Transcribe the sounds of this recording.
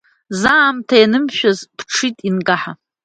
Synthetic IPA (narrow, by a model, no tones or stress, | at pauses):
zaːmtʰajnɨmʃᶣazpʰʈ͡ʂʰitʼinɡaħa